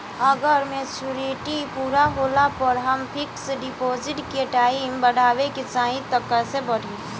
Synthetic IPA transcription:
əɡəɾmet͡ʃuɾeʈipuːɾaɦoːlapəɾɦəmpʰɪkseɖɪpoːzɪʈkeʈaːimbəɽ̤ʱaːʋeket͡ʃaːɦĩt̪əkːəsebəɽ̤ʱĩ

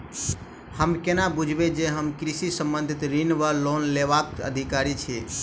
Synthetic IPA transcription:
həmkenabud͡ʒʱbed͡ʒeɦəmkɾisisəmbənd̪ʱit̪ɾinʋəlonleβakə̰d̪ʱikaɾit͡ʃʰɛ

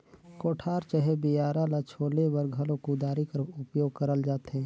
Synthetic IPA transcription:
koːʈʰaːɾt͡ʃəɦebijaːɾalat͡ʃʰoːlewəɾɡʱəlõkud̪aːɾikəɾʊpjoːɡ̚kəɾəld͡ʒaːt̪ɦɛ̃ː

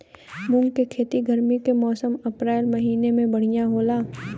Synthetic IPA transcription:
mʊ̃ŋɡkekʰeːt̪iɡəɾmikemɔːsəmɐpɾɛːlmɐɦiːnemẽbɐɽ̤ijaɦoːlaː

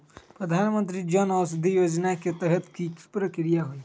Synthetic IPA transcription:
pɾəd̪ʱaːnmə̃nt̪ɾid͡ʒɔnɔːs̬d̪ijoːd͡ʒnaket̪ɛɦət̪ki̥pɾəkɾijaɦoi

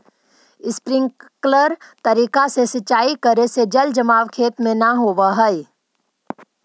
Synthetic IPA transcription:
ɪspɾɪ̃ŋɡkləɾt̪ɐɾiːkasesɐt͡ʃaːikəɾesed͡ʒɐld͡ʒɐmaːʋkʰeːt̪mẽnaɦoːʋaɦəi

